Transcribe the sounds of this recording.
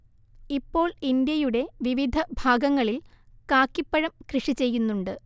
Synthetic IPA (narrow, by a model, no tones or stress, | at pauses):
ipːo̞ːɭind̪jɐjuɽe̞ʋiʋid̪ʱɐbʱaːɡɐŋːɐɭil | kaːkːipːɐɻɐmkrɨʂit͡ɕe̞jːunːuɳɖɨ